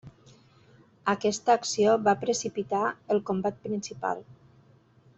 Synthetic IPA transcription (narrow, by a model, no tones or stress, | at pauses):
əkɛst̪əːksioβapɾəsipit̪aəlˠkombat̪̚pɾinsipa̰lˠ